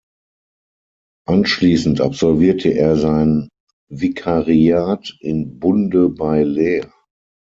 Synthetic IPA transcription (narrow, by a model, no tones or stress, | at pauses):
ʔanʃliːsn̩tʔa̰pz̥ɔlviːɐtʰəʔeːɐzaɪnən | vikʰaʁiaːtɪnbʊndəbaɪleːɐ